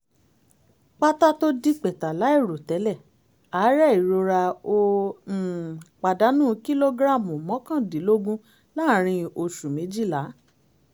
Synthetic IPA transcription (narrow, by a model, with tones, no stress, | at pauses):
k͡pa˦ta˦to˦di˦k͡pɛ˨ta˨la˨˦i˦˨ɾo˨tɛ˨˦lɛ˦˨ | a˨˦ɾɛ˦˨i˨ɾo˧ɾa˧o˧˨ | k͡pa˨da˨˦nũː˦˨˦ki˦lo˦ɡɾa˦˨mũ˨mɔ̃˨˦kã˦˨di˨˦lo˦ɡũ˦ | la˦˨ɾ̃ĩ˧o˧ʃu˨mẽ˨˦d͡ʒi˦˨la˨˦